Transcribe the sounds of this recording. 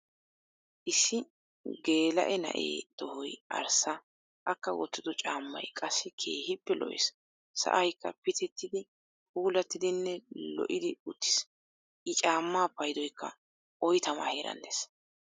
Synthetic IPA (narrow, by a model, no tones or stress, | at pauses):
ʔɪsːɪ | ɡe̞ːlɐ̰ʔɛnɐ̰ʔḛːd̪̥ɔhɔjʔɐ̰ɾsɐ | ʔɐkːɐwɔ̰t̪ːɪd̪ɔt͡ʃʼaːmːɐ̰jkʼɐsːɪkʰe̞ːhɪpːɛlʔɔ̰ʔɪ̰s | sɐ̰ʔɐjkːɐpɪt̪ɛt̪ːɪd̪ɪ | huːlɐt̪ːɪd̪ɪnːɛlɔ̰ʔɪd̪ɪʊt̪ːɪ̥s | ʔɪt͡ʃʼaːmːaːpːɐjd̪ɔjkʰːɐ̰ | ʔɔjt̪ɐmɐ̰heːɾɐ̰nd̪es